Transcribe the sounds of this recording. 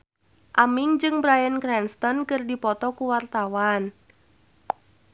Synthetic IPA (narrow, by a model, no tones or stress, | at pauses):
ʔamɪŋd͡ʒɨŋbɾajənkɾɛnst̪ɔnkɨrdipɔt̪ɔkuwart̪awan